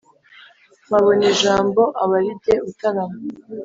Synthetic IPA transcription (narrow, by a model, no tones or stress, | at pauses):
maβoneʒaːmbo̞ʔaβaɾibɟe̞utaɾama